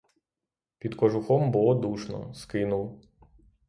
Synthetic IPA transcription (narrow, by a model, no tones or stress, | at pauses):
pʲid̪kɔʒʊxɔmbulˠɔd̪uʃnɔ̰skɪnʊw